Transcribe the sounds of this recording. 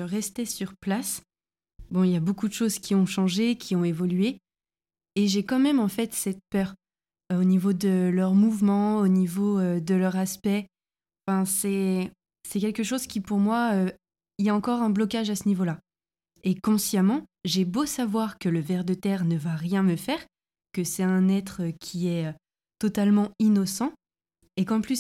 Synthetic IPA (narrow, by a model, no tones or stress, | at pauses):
əʁɛst̪esyʁplas | bɔ̃iljabokud̪əʃozkʲiɔ̃ʃɑ̃ʒekʲʰiɔ̃evɔlɥe | eʒekɑ̃mɛmɑ̃fɛt̪sɛt̪pœːʁ | onivod̪əlœʁmuvmɑ̃onivoød̪əlœʁaspɛ | ɑ̃fɛ̃sɛ | sɛkʲɛlkəʃozkʲipuʁmwaø | iljaɑ̃kɔʁɛ̃blɔkaʒasənivola | ekɔ̃sjamɑ̃ʒebosavwaʁkələvɛʁd̪ət̪ɛʁnəvaʁjɛ̃məfɛːʁ | kəsɛɛ̃nɛt̪χəkʲʰiɛø | t̪ɔt̪almɑ̃inɔsɑ̃ | ekɑ̃plys